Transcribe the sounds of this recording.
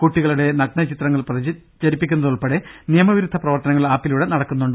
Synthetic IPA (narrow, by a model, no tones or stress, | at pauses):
kuʈːiɣɐɭuɽe̞nɐɡ̚ɳɐt͡ɕit̪rɐŋːɐɭprɐðit͡ɕɐɾipːikʲːunːɐðuɭpɐɽenijɐmɐʋiɾud̪ʱːɐprɐʋɐrt̪ɐnɐŋːɐɭaːpːiluɽe̞nɐɽɐkːunːuɳɖ